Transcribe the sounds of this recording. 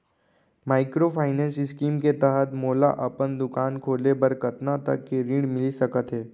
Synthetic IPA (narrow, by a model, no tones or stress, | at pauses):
maːɪkɾopʰaːɪnɛ̃ːnsɪskiːmket̪ɛɦət̪moːla̰ʔɐpənd̪ʊkaːnkʰoːlebɐɾkɐt̪nat̪ɐ̰kːeɾĩːɽmɪlisɐkət̪ɦɛː